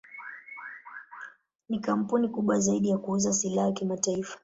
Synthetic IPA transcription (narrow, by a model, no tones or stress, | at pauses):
nikam̩punikuɓwazaiɗijakuuzasilahakimataifḁ